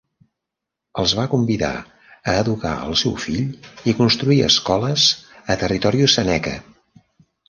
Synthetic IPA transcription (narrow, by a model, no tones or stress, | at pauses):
əlˠzβakumbiða̰ | əːðuka̰ə̰lˠsɛwfiʎikunst̪ɾuiə̰skɔləzət̪ərit̪ɔɾiusənɛkə̰